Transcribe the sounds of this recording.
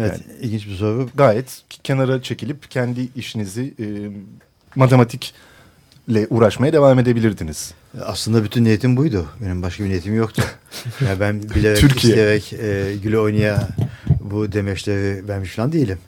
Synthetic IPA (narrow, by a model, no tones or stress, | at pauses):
evɛa̰ilʲɟint͡ʃbiso̞ɾuɡaːjɛt̪cʰe̞naɾat͡ʃʰe̞cilʲipcʰænd̪iiʃinizi | mat̪ʰe̞mat̪ʰic | lʲɛʔuːɾaʃmajad̪e̞vaːme̞d̪e̞bilʲiɾd̪iniz̥ | a̰slˠɯnd̪abyt̪ʰynːejit̪ʰimbujd̪ʊbe̞nimbaʃkʰabinejit̪imjo̞kt̪ʰʊjanibænbilʲeɾɛyɾcʰijijeɾɛcɛɟylʲyo̞jnaja | bud̪e̞mɛʃlʲeɾivæɾmiʃfilˠand̪ejilʲim